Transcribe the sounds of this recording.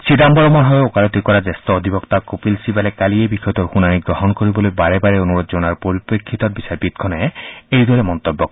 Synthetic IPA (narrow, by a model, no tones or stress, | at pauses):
sidambɔɾɔmɔɾɦɔjokalɔt̪ikɔɾad͡ʒest̪ɔːd̪ʱibɔkt̪akopilsibalekaliebixʰɔjɔt̪ɔɾxunaniɡɾɔɦɔnkoɾibɔlojbaɾebaɾeonuɾod͡ʒɔnaɾpoɾipɾekʰːit̪ɔɾbisaɾbit̪̚kʰɔnaeejd̪ɔɾemɔnt̪ɔbːɔk